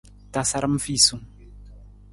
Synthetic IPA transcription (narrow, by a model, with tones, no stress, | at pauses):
ta˦sa˦ɾə˦m̩˦fi˦˨su˨ŋ